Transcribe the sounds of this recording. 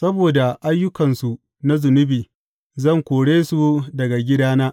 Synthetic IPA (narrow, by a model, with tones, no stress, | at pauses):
sɐ˦boː˨da˨ʔa˦jːʊ˦kɐ˨nsu˨ | na˦zʊ˨nʊ˦biː˨ | zɐ˦˨ŋkʷoː˨ɽeː˦su˨dɐ˨ɡa˨ɡʲɪ˦daː˦naː˦ʔ